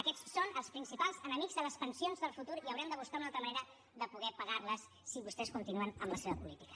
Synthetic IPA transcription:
əkɛt͡sːonəlˠspɾinsipalˠzənəmiɡzðələspənsionzðəlˠfut̪uɾiəwɾɛmd̪əβ̞uskaunalˠt̪ɾəməneɾə | ðəpuɣɛpəɣaɾləsːiβust̪ɛskunt̪inuənəmləseβəpulit̪i̥kə̥

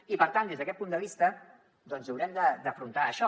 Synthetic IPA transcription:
ipəɾt̪and̪ezðəkɛt̪̚pund̪əβ̞ist̪ə | d̪ɔnzəwɾɛmd̪əd̪əfɾunt̪aəʃɔ

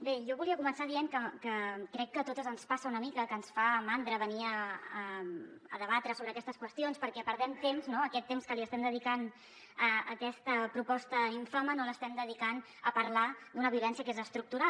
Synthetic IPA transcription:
beʒɔβuliəkumənsaðieŋkəkəkɾɛkːət̪ot̪əzənspasəunəmikəkənsfamand̪ɾəβəniəəmə̰ðəβat̪ɾəsoβɾəːkɛst̪əskwəst̪ionspəɾkɛpəɾðɛmt̪emznoəkɛt̪ːemskəliəst̪ɛmd̪əðikan | əəkɛst̪əpɾupɔst̪əiɱfamənoləst̪ɛmd̪əðikan | əpəɾlad̪unəβiulɛnsiəkezəst̪ɾuk̚t̪uɾa

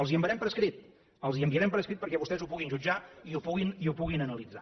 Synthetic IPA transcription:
əlˠziəmbəɾɛmpəɾəskɾit̪̚ | əlˠziəmbiəɾɛmpəɾəskɾit̪pəɾkɛβust̪ɛzupuɣinʒud͡ʒaiupuɣiniupuɣinənəlid͡za

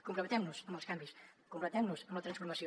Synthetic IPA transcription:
kumpɾumət̪ɛmnuzəmbəlˠskambiskumpɾlət̪ɛmnuzəmlət̪ɾənsfuɾməsio

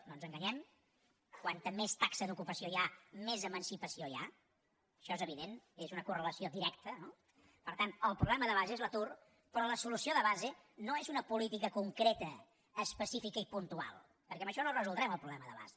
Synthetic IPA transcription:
nonzəŋɡəɲɛm | kwant̪əmest̪aksəðukupəsiojamezəmənsipəsioja̰ | əʃɔezəβiðenezunəkurələsiod̪iɾɛkt̪əno | pəɾt̪anəlˠpɾuβlɛməðəβ̞azeezlət̪ur | pɾɔləsulusioðəβaze | noezunəpulit̪ikəkuŋkɾet̪əː | spəsifikəipunt̪ua̰lˠ | pəɾkɛmbəʃɔnorəzulˠd̪ɾɛməlˠpɾuβlɛməðəβa̰ze

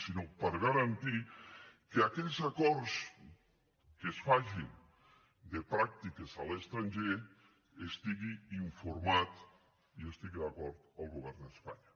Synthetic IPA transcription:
sinopəɾɣaɾant̪ikeakɛzakɔɾs | kesfaʒin | d̪epɾak̚t̪ikezalest̪ɾanʲʒe | est̪iɣiiɱfuɾmat̪ | iest̪iɣiðakɔɾt̪əlˠɣuβɛɾnd̪əspa̰ɲa

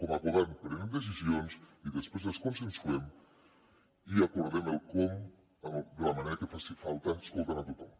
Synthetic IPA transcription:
komaβuðampɾenemd̪es̬izionsiðəspɾezəskunsensuɛm | iakuɾðeməlˠkom | əmd̪əlamaneɾakefasifalˠt̪anskolˠt̪anat̪ut̪a

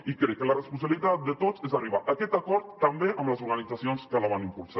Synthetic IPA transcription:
ikɾɛkːələrəspunsəβilit̪at̪̚d̪ət̪ozezariβaʔəkɛt̪akɔɾt̪ːəmbeʔəmləzuɾɣanid͡zasionskəlaβanimpuɾsa

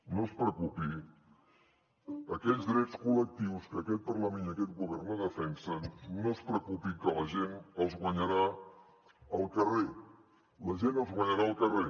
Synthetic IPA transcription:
nospɾəkupi | əkɛʎzd̪ɾɛtskulək̚t̪iwskəkɛt̪̚pərləmẽnəkɛt̪̚ɡuβɛrnəðəfɛnsənnospɾəkupikələʒenəlˠzɣwəɲəɾa | əlˠkəre | ləʒenəlˠzɣwəɲəɾaːlˠkəre

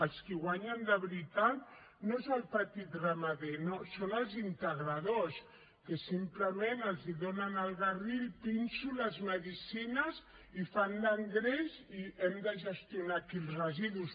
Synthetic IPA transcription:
əlˠskiɣwaɲənd̪əβɾit̪at̪ | noezəlˠpət̪it̪rəməðenosonəlˠzint̪əɣɾaðos | kesimpləmenəlˠziðonənəlˠɣarilpinsuləzməðisinəz | ifanləŋɡɾeziɛmd̪əʒəst̪iunakilˠzrəziðus

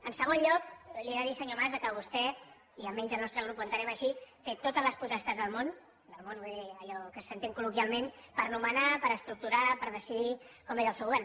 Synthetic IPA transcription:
ənsəɣ̞onʎɔkliɛðəðisəɲomazðəkəβust̪ɛ | iəlmɛnzəlˠnɔst̪ɾəɣ̞ɾupənt̪əɾɛməʃit̪et̪ot̪əzləsput̪ɛst̪əzðəlˠmon | d̪əlˠmonβeəʎɔkəssənt̪iŋkulukjalˠmenpəɾnumənapəɾəst̪ɾuk̚t̪uɾapəɾð̞əsiðikɔmezəlˠsɛwβɛn

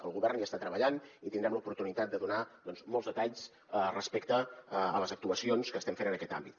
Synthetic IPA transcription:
ə̰lˠɣuβɛrnjaəst̪at̪ɾəβəʎanit̪ind̪ɾɛmləupuɾt̪unit̪at̪̚d̪əðunad̪ɔnzmɔlˠzðət̪aʎs | rəspekt̪əːləzək̚t̪uəsionskəːst̪ɛmfenənəkɛt̪a̰mbit̪

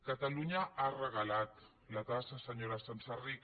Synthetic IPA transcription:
kat̪aluɲaarəɣalat̪ | lat̪asasəɲoɾasansarik

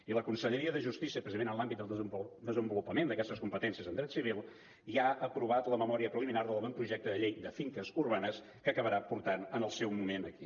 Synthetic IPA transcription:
iləkunsəʎəɾiəðəʒust̪isiəpɾəzienənlˠambit̪d̪əlˠd̪əzəmbulupəmend̪əkɛst̪əskumpət̪ɛnsiəzənd̪ɾɛt̪siβ̞ilˠ | iaəpɾuβ̞at̪ləməmɔɾiəpɾəliminaɾðəlˠβɛmpɾuʒɛk̚t̪əðəʎejd̪əfiŋkəzuɾβanəs | kəːkəβəɾapuɾt̪anənəlˠsɛwmumenəki

